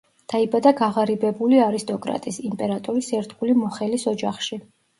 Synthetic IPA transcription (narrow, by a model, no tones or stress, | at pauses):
d̪̥aibad̪aɡaʁaɾibɛbuliaɾist̪ʼɔkʼɾa̰t̪ʼisimpʼɛɾat̪ʼɔɾisɛɾd̪ɡulimɔχɛlisɔd͡ʒaχʃi